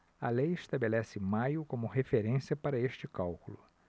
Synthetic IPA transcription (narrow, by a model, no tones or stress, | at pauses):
ɐlejɪʃt̪abelɛsɪmajʊkõmʊhefeɾẽsiɐpaɾɐeʃt͡ʃɪkawkulʊ